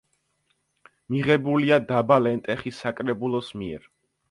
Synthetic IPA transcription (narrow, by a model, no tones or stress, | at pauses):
miʁɛbuliad̪abalɛnt̪ʼɛχisakʼɾɛbulˠɔsmiɛ̰ɾ